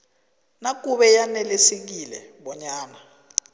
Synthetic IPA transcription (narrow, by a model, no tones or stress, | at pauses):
nak̬uɓɛjanɛlesek̬ilɛ̰ | ɓɔɲaːna